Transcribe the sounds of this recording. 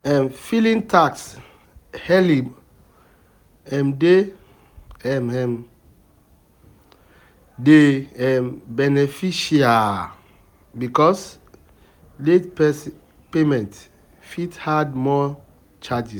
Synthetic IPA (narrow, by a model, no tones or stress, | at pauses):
ɛmfilĩntʰaks | hɛli | ɛ̃mde | ɛmɛm | deɛmbɛnɛfiʃia | bikɔs | letpɛs | pemɛ̃nt | fithadmɔ | t͡ʃad͡ʒi